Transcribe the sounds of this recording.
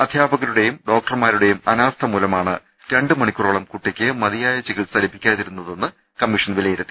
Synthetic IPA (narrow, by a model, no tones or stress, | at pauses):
ɐd̪ʱjaːbɐɣɐluɽe̞jumɖo̞ːk̚ʈɐrmaːɾuɽe̞jumɐnaːst̪ʰɐmulɐmaːɳɨ̰ | ɾe̞ɳɖɨmɐɳikʲːuroːɭɐmkuʈːikʲːɨmɐðijaːjɐt͡ɕːiɣiɭsɐlipːikʲːaːðiɾunːɐðe̞nːɨ | kɐmːiʂɐnʋilɐjiɾɐt̪ːi